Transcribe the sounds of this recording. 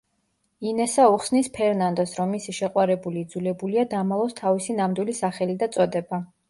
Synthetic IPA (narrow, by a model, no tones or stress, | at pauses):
inɛsauχsnispʰɛɾnand̪ɔsɾɔmːisiʃɛqʼwaɾɛbuliːd̪zulɛbuliad̪amalˠɔst̪ʰavisinamd̪wilisaχɛlid̪at̪sʼɔd̪ɛba